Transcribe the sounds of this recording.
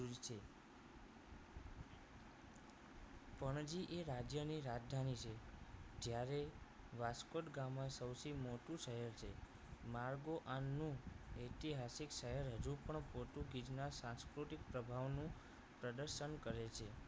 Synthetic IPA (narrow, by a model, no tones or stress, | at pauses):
uɾit͡ʃʰe | pəɳd͡ʒiʔeɾad͡ʒjəniɾad͡ʒd̪ʱanit͡ʃʰed͡ʒjaɾe | ʋaskoʈɡamːãsəwsʰimoʈũʃəɦəɾt͡ʃʰe | maɾɡoʔanːũet̪iɦasikʃəɦəɾɦəd͡ʒũpəɳpoʈ̪uɡid͡ʒnasãnskɾuʈik̚pɾəbʱaʋnũ | pɾəd̪əɾʃənkəɾet͡ʃʰe